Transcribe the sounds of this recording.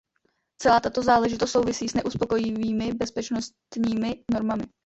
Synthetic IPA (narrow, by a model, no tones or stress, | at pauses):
t͡sɛlaːt̪at̪o̞zaːlɛʒɪt̪ost̪so̞wvɪsiːsnɛʔuspo̞ko̞jɪviːmɪbɛspɛt͡ʃno̞stt̪ɲiːmɪno̞ɾmamɪ